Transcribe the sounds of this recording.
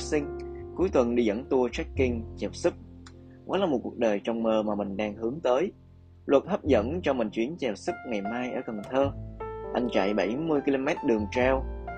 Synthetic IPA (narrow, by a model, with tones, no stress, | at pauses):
sï˧ŋ̟ku˨˦jt̪wə˨˩nɗi˧zə̰˧˥nt̪u˧ət͡ɕɛ˦˥kːi˧ŋt͡ɕɛ˨˩w̚sɨ˦˥k͡p̚ | vaː˨˦laː˨˩mo˨˩t̚ku˨˩ək̚ɗəː˨˩jt͡ɕɔ˧wŋ͡mməː˧˩maː˨˩mï˨˩ŋ̟ɗaː˧ŋhɨ˨˦əŋt̪əː˨˦j | lwə˨˩t̚hə˦˥p̚zə̰˧˥nt͡ɕɔ˧mï˨˩ŋ̟t͡ɕwi˨˦ənt͡ɕɛ˨˩w̚sɨ˦˥k͡p̚ŋa˨˩jmaː˧jʔəː˧˩kə˨˩nt̪ʰəː˧ʔa˧jŋ̟t͡ɕa̰˧˨jɓə˧˩jmɨ˧əjki˧lo˧mɛ˦˥t̚ɗɨ˨˩əŋt͡ɕaː˧w